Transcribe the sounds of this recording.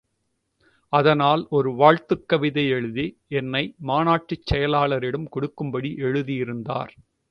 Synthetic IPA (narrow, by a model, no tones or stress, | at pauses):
ɐðɐnaːlɔɾɯʋaːɻt̪ɯkːɐʋɪðɐɪɛɻɯðɪ | ɛnːɐɪmaːnaːʈrɪt͡ʃːɛjɐlaːlɐɾɪɽɐmkɔɽɯkːɯmbɐɽiʔɛɻɯðijɪɾɯnd̪a̰ːɾ